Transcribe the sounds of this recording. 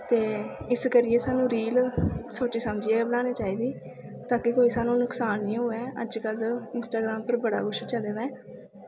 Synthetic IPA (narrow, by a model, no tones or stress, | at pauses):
t̪eːɪskəɾɪjeːsaːnũːɾiːlsoːt͡ʃiːsəmd͡ʒɪeːbənãːneːt͡ʃaːiːd̪iː | t̪aːkɪkoːiːsaːnũːnʊksaːnːɪãːɦoːɛːʔə̰d͡ʒkəlɪnsʈaːɡɾaːmpəɾbəɽa̰ːɡʊʃt͡ʃəleːd̪aɛː